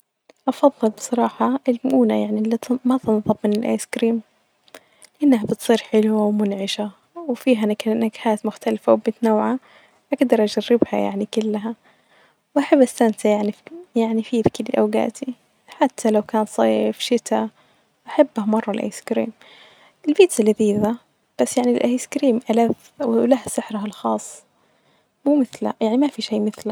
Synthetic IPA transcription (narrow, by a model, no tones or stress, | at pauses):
ʔɑfɑðˤːɨlbɨ̥sˤɑɾˤɑːħɑʔɪlmʊʔuːnajaʕnilit̪mat̪ɑnðˤɑbmɪnɪlʔa̰jskɾiːm | lɪʔanːɦabɪt̪sˤiːɾħɪlwawmʊnʕɪʃa | wfiːɦanaknaɡħaːt̪mʊxt̪alfawbɪt̪nawːʕa | ʔaɡd̪ɑɾˤʔad͡ʒarːɪbha̰ja̰ʕnikʊlːaɦa | wʔaħabːʔastːant̪ajaʕnijaʕnifiːðkɪliʔawɡa̰ːt̪ʰi | ħat̪ʰːalawkaːnsˤɑːfʃɪt̪a | ʔaħabːhamɑrˤːɑlʔa̰jskɾiːm | ʔɪlbiːt̪salːiðiːða | b̥asːjaʕnilʔajskɾiːmʔalaf | lahsɪħɾaɦalxɑːsˤː | muːmɪθlajaʕnimafiʃeːmɪθla